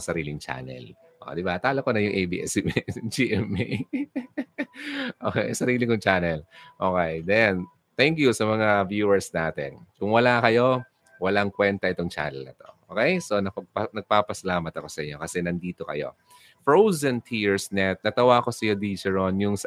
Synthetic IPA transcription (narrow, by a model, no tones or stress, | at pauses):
sɐɾiːlɪŋt͡ʃa̰ːnɛ̰l | ʔo̰d̪ɪbat̪aːlokonɐjʊŋʔejbḭːʔɛ̰sd͡ʒiʔɛmi | ʔoːkɛjsɐɾiːlɪŋʊŋt͡ʃaːnɛlʔoːkɛjd̪ɛn | t̪ɛŋkjusɐmɐŋavjuːɛɹsnaːt̪ɛ̰nkʊŋwɐlakɐjo̞ | wɐlaŋkwɛnt̪ɐʔɪt̪oŋt͡ʃa̰ːnɛlnɐt̪o̞ʔo̰ːkɛjso̞nɐpɐpɐnɐɡ̚papɐsɐlaːmɐt̪ɐko̞sɐʔɪɲːo̞kɐsɛnɐnd̪iːt̪o̞kɐ̰jo̞̰ | fɹowzɐnt̪ʰiɹsnɛt̪̚nɐt̪ɐwako̞sɐjo̞d̪iːt͡ʃɛɹonjʊŋs